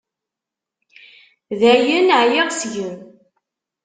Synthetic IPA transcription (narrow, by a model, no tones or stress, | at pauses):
ðæjənʕjɪʁsʝəm